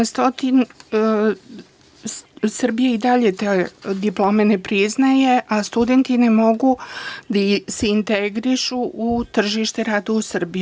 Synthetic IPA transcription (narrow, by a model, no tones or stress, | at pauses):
st̪ot̪in | sr̩bijeid̪aʎet̪ed̪iplˠo̞menepɾiznajeʔast̪ud̪e̞nt̪ine̞mo̞ɡud̪aseint̪eɡɾiʃuʔːt̪r̩ʒiʃt̪eɾaːd̪ausr̩bi